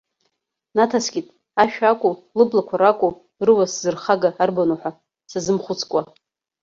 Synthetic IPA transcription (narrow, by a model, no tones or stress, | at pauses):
natʰasɡʲʼitʼ | aʃᶣakʷʼulɨblakʷʰaɾakʷʼu | rɨwaszɨrχaɡaːrbanoħʷᶣa | sazɨmχʷʊt͡sʰkʷʼa